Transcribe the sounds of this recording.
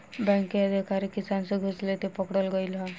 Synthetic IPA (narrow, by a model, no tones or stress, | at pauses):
bɛ̃ŋkiəd̪ʱikaɾekisanseɡʱuslet̪epɔkɽɔlɡɔjlɔ